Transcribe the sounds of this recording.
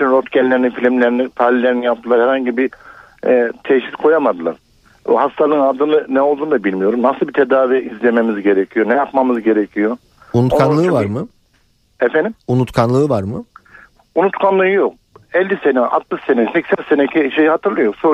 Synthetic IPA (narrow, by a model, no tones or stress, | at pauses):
tynɾot̪cɛnlːʲeɾinifilʲimlʲeɾinit̪ʰalʲilʲːeɾinijap̚t̪ʰɯlˠaɾhɛɾhaɲɟibi | t̪ʰɛʃit̪kʰo̞jamad̪ɯlˠa̰ɾ̥̰ | hast̪ʰalˠɯnad̪ɯnɯnɛo̞lˠd̪uːnd̪abilʲmijo̞ɾumnasɯlˠbit̪ʰe̞d̪aːviizlʲe̞memizɟe̞ɾecʰijo̞nɛjapmamɯzɟe̞ɾecʰijo̞ | unut̪okʰanˠɯːvaɾmɯ | ɛfɛnimunut̪kʰanlˠɯːvaɾmɯ | unut̪kʰanlˠɯɯjok̚ | ɛlʲːisenɛa̰t̪mɯʃsenɛsɛcsænsenecʰiʃejihat̪ʰɯɾlˠɯjoso